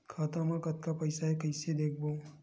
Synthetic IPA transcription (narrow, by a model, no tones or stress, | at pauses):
kʰat̪amãkət̪kapəjsaekəjsed̪eːkʰbo